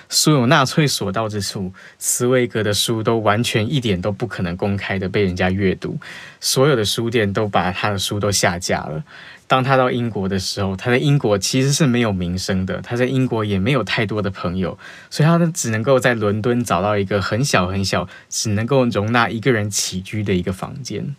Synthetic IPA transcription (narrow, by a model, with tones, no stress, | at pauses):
su˥jo˨˩na˥˧t͡sʰwe˥˩ɪswɔ˨˩t̪ɑ˥˩ʊʈ͡ʂɻ̩˥ʈ͡ʂʰu˥˩ | t͡sʰɹ̩˧˥we˧˥ɪkɤ˧˥d̪ə˨ʂu˦t̪o˥ʊwa˧˦nt͡ɕʰɥɛ˧˥ni˥˩t̪jɛ˨˩nt̪o˥ʊpu˥˩kʰɤ˨˩nɤ˧˦ŋko˥ŋkʰa˥ɪd̪ə˨p̬e˥˩ɪɻə˧˥nt͡ɕja˥ɥɛ˥˧t̪ṵ˥˩swɔ˧˥jo˨˩ʊd̪ə˩ʂu˥t̪̬jɛ˥˩nt̪̬o˥ʊpa˨˩t̪ʰa˥d̪ə˨ʂu˦t̪o˥ʊɕja̰˥˧t͡ɕja̰˥˩lə̰˩ | t̪ɑ˥ŋt̪ʰa˥t̪ɑ˥˩ʊʔi˥ŋkwɔ˧˥d̪ə˨ʂɻ̩˧˥xo˥˧ʊt̪ʰa˥t͡sa˥˩ɪi˥ŋkwɔ˧˥t͡ɕʰi˧˥ʂɻ̩˧˥˦ʂɻ̩˥˩me˧˥ɪjo˨˩ʊmi˧˥ŋʂɤ˥ŋd̪ə̰˨t̪ʰa˥t͡sa˥˩ɪi˥ŋkwɔ˧˥jɛ˨˩me˧˥ɪjo˨˩ʊt̪ʰa˥˩ɪt̪wɔ˥d̪ə˨pʰɤ˧˥˦ŋjo˨ʊ | swɔ˧˥i˨t̪ʰa˥ʈ͡ʂɻ̩˨˩nə˧˥ŋko˥˧ʊt͡sa˥˩ɪlwə˧˥nt̪wə˦nʈ͡ʂɑ˨˩ʊt̪ɑ˥˩ʊi˧˥ɡə˧xə˧˥nɕjɑ˨˩ʊxə˧˥nɕjɑ˨˩ʊ | ʈ͡ʂɻ̩˨˩nə˧˦ŋko˥˩ʊɻʊ˧˥ŋna˥˩i˧˥ɡə˨ɻə˧˦nt͡ɕʰi˨˩t͡ɕy˥d̪ə˨i˧˥ɡə˨fɑ̰˧˥ŋt͡ɕjɛ̰˥˨n